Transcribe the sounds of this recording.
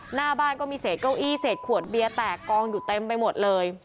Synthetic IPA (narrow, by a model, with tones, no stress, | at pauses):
naː˧˩baː˧˥˩nkɔː˥˩miː˧seː˨˩t̪̚ka˥˩wʔiː˥˩seː˨˩t̪̚kʰu˨˩ət̪̚bi˧ət̪ɛː˨˩kːɔː˧ŋjuː˨˩t̪e˧mpa˧jmo˨˩t̪̚lɤː˧j